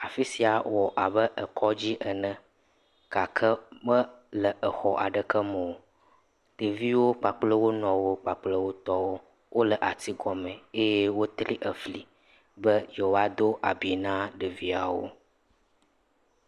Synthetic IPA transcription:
a˨fi˦si˨a˨wɔ˨ʔa˨βə˦ʔə˨kʰɔ˦d͡ʑi˦ʔə˨nə̃˨ | ka˨kʰə˦mə̃˦ | lə˨ʔə˨xɔ˨ʔa˨ɖə˨kə˦mə˨o˨ | ɖ̥ə˨vi˦wo˦k͡pa˨k͡plə˦wo˦nɔ̃˨wo˦k͡pa˨k͡plə˦wo˦t̪ɔ˦wo˦ | wʔo˦lə˨ʔa˨t̪i˦ɡɔ˨mɛ̃˨e˦jɛ˦wo˦t̪ɾi˦ʔə˨fli˨ | bə˦je˨oo˨a˨d̪o˦ʔa˨bi˨nã˦ɖə˨vi˦a˨wo̰˦

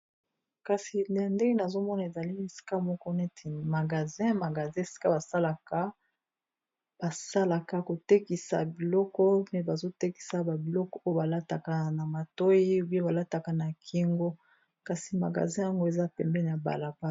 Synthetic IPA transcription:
ka˨si˨n˨a˨nde˦ŋe˦na˨zo˦mɔ˦na˨e˨za˨li˦n˦e˨si̥˦ka˦mɔ˦kɔ˦ne˦tʰe˨ma˨ɡa˨zɛ̃˦ma˨ɡa˨zɛ̃˦˨e˨si̥˦ka˦ba˨sa˦la˨ka˦ | b̥a˨sa˦la˨ka˨ko˨te˦ki˨sa̰˨bi˨lɔ˦kɔ˦me˦ba˨zo˦te˦ki̥˨sa˨ba˨bi˨lɔ˦kɔ˦o˦jo˦ba˨la˦ta˨ka˨na˨ma˨to˦ji˦bi˦e˦ba˨la˦ta˨ka˨na˨kʰi˦ŋɡo˦ | ka˨si˨ma̰˨ɡa̰˨zɛ̃˦ja˦ŋɡo˦e˨za˦pɛ˨mbɛ˦n˨a˨ba̰˨la˨ba˦

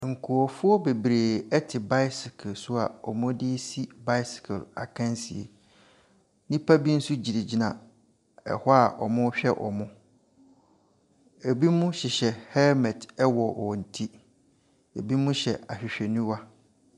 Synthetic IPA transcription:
ŋ̩˨kʰu˨ɔ˨fʊ˦ɔ˦be˨bɾeː˨ɛ˦tʰɪ˨ba˦ɪ˦sɪ˨kʰlsʊ˦a˨ɔ˨mʊ̃˦dɪ˦si˦ba˦ɪ˦sɪ̥˨kʰla̰˨kʰã˦nsḭ˨ḛ˨ | nĩ˦pʰa˦bi˦n̩˦sʊ˦d͡ʑi˨di˨d͡ʑi˦nã˨ | ɛ̰˨hɔ˦a˨ʔɔ̰˨mʊ̃˦ɕᶣɛ˦ʔɔ̰˨mʊ̃˦ | e˨bi˦mʊ̃˦ɕɪ˨ɕɛ˨hɛ˦mɛ˨tɛ˦wɔ˨ɔ˨n̩˨tʰi˦ | e˨bi˦mʊ̃˦ɕɛ˨a˨ɕᶣɪ˨ɕᶣɛ˨nũ˦wa˦

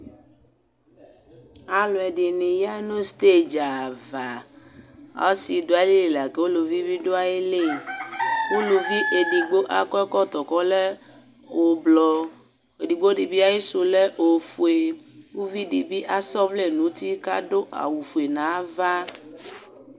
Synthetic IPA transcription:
a˨lɔ˨ɛ˨ɖi˨nĩ˨ja˦nõ˦st̪e˦d͡ʒa˨va˨ | a̰˦si˨d̪o˨a˨li˦li˨la˨ke˦wo˦lo˨vi˦bi˦ɖo˦a˦je˦le˦˨ | wo˦lo˨vi˦ʔe˨ɖi˨ɡ͡bo˦ʔa˦kɔ˦ɛ˦kɔ˦t̪ɔ˨kɔ˦le˦ | o˨blɔ˨ | e˨ɖi˨ɡ͡bo˦ɖi˨bi˦a˦je˦so˨le˦ʔo˨fu˨e˨wu˦vi˦ɖi˨bi˦ʔa˦sɔ˦vle˦nũ˨˦t̪i˦ka˦ɖo˦ʔa̰˨wu˨fu˨e˨nã˨˦va˦

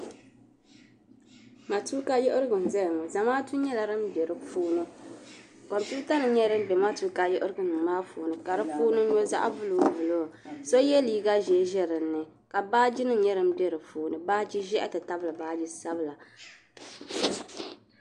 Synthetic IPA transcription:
ma˨tu˦ka˦jʊ˦ʔʊ˦ɾɨ˦ɡɨ˨n˨zɛ˦lmo˨za˨maː˦tu˦ɲɛ˦la˨ɾɨ˦mbɛ˨ɾɨ˨fuː˦nɨ˦ | ko˨mpju˦ta˦nɨ˨ɲɛ˦ɾɨ˦m̩˦bɛ˨ma˦tu˦ka˦jʊ˦ʔɨ˦ɾɨ˦ɡɨ˨nɨ˨m˨maː˦fuː˨nɨ˨ka˨ɾɨ˦fuː˦nɨ˦ɲo˦za̰˦ʔa̰˦bʊ˦lo˨˦˨bu˨lo˦˨so˦jɛ˦liː˨ɡa˦ʒɛ˨˦ʒɛ˦ɾɨ˨nːɨ˨ | ka˨baː˦d͡ʒi˦nɨ˦ɲɛ˦ɾɨ˦m̩˦bɛ˦ɾɨ˨fuː˦nɨ˨baː˦d͡ʒi˦ʒɛ˦ʔɛ̰˦tɨ˨ta˦bɨ˦lɨ˨baː˦d͡ʒi˦sa˦bɨ˦la˨

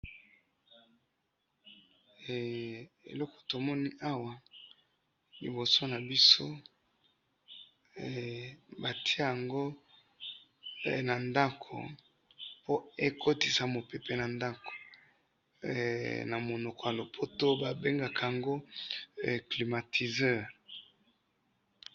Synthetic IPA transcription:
ḛ˨lɔ˦kɔ̥˨to˨mɔ˦ni˦ʔa˦wa˨ | li˨bo˨so˦na˨bi˦so˦ | ba˨tʰi˦a˦ja˨ŋɡo˦˨ | na˨nda˦kʰo̰˨ | po˦e˦kʰo˦ti˨sa˨mo˨pe˨pe˨na˨nda˦ko̥˨ | na˨mo˨nɔ˨kɔ˨ja˨lo˨pʰo˦to˦ba˨be˦ŋɡa˨ka˨ja˨ŋɡo˦˨ | kli˨ma˨tʰi˨zɛ˦˨ʁ

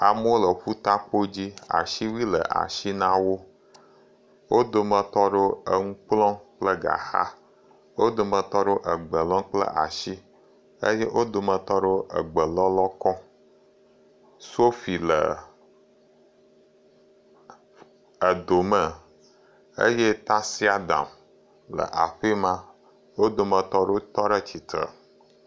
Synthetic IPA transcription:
a˨mə˦wo˦lə˨ɸu˦t̪a˦k͡po˦d͡ʑi˦a̰˨ʃi˦wi˦lə̰˨ʔa̰˨ʃi˦nã˦wo˦ | wo˦d̪o˨mə̃˨t̪ɔ˦ɖo˦ə˦ŋũ˦k͡plɔ̃˦k͡plə˦ɡa̰˨xa̰˦ | wo˦d̪o˨mə̃˨t̪ɔ˦ɖo˦ʔə˨ɡ͡bə˨lɔ̃˦ŋk͡plə̰˦ʔa̰˨ʃi˦ | ə̰˦je˦ʔo˦d̪o˨mə̃˨t̪ɔ˦ɖo˦ʔə̰˨ɡ͡bə˨lɔ˦lɔ˦kɔ˦ | so˦fi˨lə̰˨ | ə˨d̪o˨mə˨ | ḛ˦je˦t̪a˦si˦a˦d̪a̰˨m | lə̰˨ʔa˨ɸi˦mã˦ | wo˦d̪o˨mə˨t̪ɔ˦ɖo˦t̪ɔ˦ɖə˦t͡ɕi˨t̪ɾə̰˨

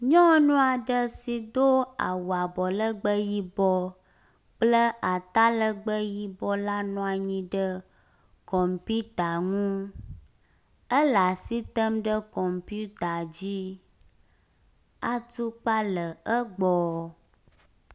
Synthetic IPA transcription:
ɲɔ̃˦nũ˦a˨ɖə˦si˨d̪o˦a̰˨wu˨a˨bɔ˨lə˦ɡ͡bə˦ji˦bɔ˦ | k͡plə˦ʔa˨t̪a˦lə˦ɡ͡bə˦ji˦bɔ˦la˦nɔ̃˦a˨ɲĩ˦ɖə˦ | kɔ˨mpi˦t̪a˨ŋũ˦ | ə˦la˨si˦t̪ə˦mɖə˦kɔ˨mpu˦t̪a˨d͡ʑi˦ | a˨t̪u˦k͡pa˦lə˨ə˦ɡ͡bɔ˨

